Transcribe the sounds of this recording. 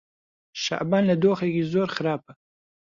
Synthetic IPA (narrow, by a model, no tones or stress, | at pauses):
ʃa̰ʔbɑnlad̪oxakizoɾxaɾɑːpa